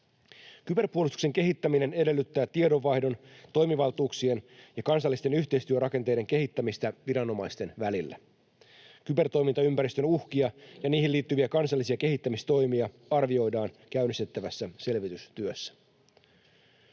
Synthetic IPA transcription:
kype̞rpuolust̪ukse̞ŋke̞ɦit̪ːæmine̞ne̞de̞lːyt̪ːæːt̪iedo̞ʋːɑihdo̞nt̪o̞jmiʋɑlˠt̪uːksienjɑkɑns̬ɑlːist̪e̞nyçt̪e̞ist̪yørɑke̞nt̪e̞jde̞ŋke̞ɦit̪ːæmist̪æʋiɾɑno̞mɑjst̪e̞nʋælilːæ̰ | kype̞rt̪o̞jmint̪ɑympæɾist̪ønuhkiɑjɑniːhilːiːt̪ːyʋiækɑnsɑlːisiɑke̞ɦit̪ːæmist̪o̞jmiɑ | ɑrʋio̞jdɑːn | kæynist̪et̪ːæʋæsːæse̞lʋit̪yst̪yøsːæ̥

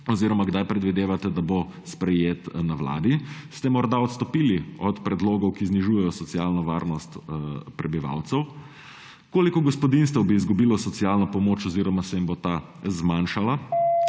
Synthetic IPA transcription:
ɔziːɾɔmaɡd̪ajpɾɛd̪ʋid̪eːʋat̪ɛd̪abospɾɛjeːt̪nawla̰ːd̪ist̪ɛmɔɾd̪aɔt̪st̪ɔpiːliɔt̪pɾɛd̪loːɡɔwkizniʒuːjɛjɔsɔt̪sialnɔʋa̰ːɾnɔst̪pɾɛbiʋa̰wt̪sɛw | koːlikɔɡɔspɔd̪inst̪ɛwbiːzɡubiːlɔsɔt̪sijalnɔpɔmoːt͡ʃɔziːɾɔmasɛimbot̪a | zmanʃala

